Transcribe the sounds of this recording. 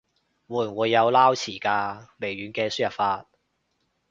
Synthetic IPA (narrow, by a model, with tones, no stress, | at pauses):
wuː˨˩nwuː˨˧jːɐ˨˧wlaː˥wt͡sʰiː˨˩kaː˧le˨˩jɥyː˨˧˦nkɛː˧sy˥jɐ˨p̚faː˧t̚